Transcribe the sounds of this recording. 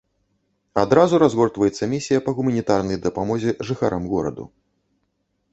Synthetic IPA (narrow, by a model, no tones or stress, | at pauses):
ad̪ɾazuɾazɣɔrt̪vɐjɛt̪sːɐmʲisʲijɐpɐɣumɐnʲit̪arnɐjd̪ɐpamɔzʲɛʐɨxaɾɐmɣɔɾɐ̰d̪ṵ